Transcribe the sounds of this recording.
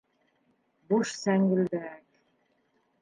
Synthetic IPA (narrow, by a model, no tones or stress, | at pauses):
boʃsæŋɡɵ̆ld̪æk